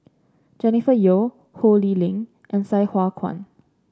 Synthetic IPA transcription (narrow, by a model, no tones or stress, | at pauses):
d͡ʒɛnifəjo | holilĩŋ | ʔɛ̃nsaɪhwakʰwã̰n